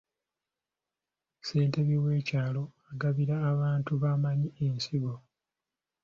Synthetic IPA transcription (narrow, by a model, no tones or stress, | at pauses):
se̞ːnte̞βiwe̞ːcaːlo̞aɡaβiɾaːβaːntuβamaɲiensiɡo̞